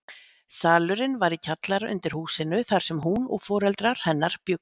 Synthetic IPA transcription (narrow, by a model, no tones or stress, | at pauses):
saːlʏɾɪnvaɾicʰat̪laɾʔʏ̰nt̪ɪɾ̥huːsɪnːʏθaɾ̥sɛmɦunɔ̰ɣfɔːɾɛlt̪ɾaɾ̥hɛnːaɾ̥pjʏk̚